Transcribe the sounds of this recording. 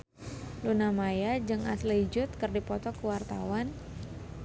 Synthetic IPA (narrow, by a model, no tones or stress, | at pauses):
lunamajad͡ʒɨŋasliid͡ʒʊt̪̚kərdipɔt̪ɔkəwart̪a̰wan